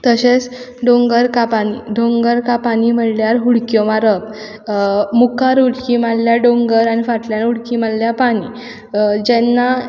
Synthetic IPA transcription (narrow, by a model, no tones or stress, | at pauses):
t̪əɕet͡s | ɖõŋɡəɾkapaniɖõŋɡəɾkapañim̤əɽljaɾɦuɽkjɔmaɾəp | mukaɾɦuɽkimalljaɖoŋɡəɾanifaʈljanɦuɽkimalːjapaɽ̃i | d͡ʑɛnːa